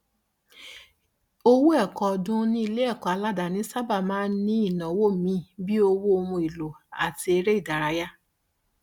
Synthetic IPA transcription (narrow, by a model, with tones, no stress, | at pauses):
o˧wu˦ɛ˦˨kɔ˨dũ˧˦nĩ˧˦i˧le˦ɛ˦˨kɔ˨a˧la˦da˨nĩ˨˦sa˦ba˦˨mãː˦nĩ˦i˦˨nã˨˦wo˦˨mĩ˧˦bi˦o˧wo˦o˧mũ˧i˨lo˨a̰˨ti˧e˧ɾe˦i˦˨da˨ɾa˧ja˦